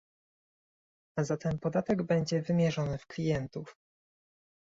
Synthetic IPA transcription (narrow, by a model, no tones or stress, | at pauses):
azat̪ɛnpɔd̪at̪ɛɡbɛɲd͡ʑɛvɘmʲjɛʐɔnɘfklʲijɛnt̪uf